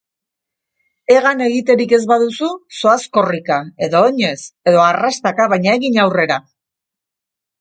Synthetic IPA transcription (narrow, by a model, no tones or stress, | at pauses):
e̞ɣane̞ɣit̪e̞ɾike̞zβaðususo̞asko̞rikae̞ðo̞ːɲe̞se̞ðo̞arast̪akaβajɲaeɣiɲawre̞ɾa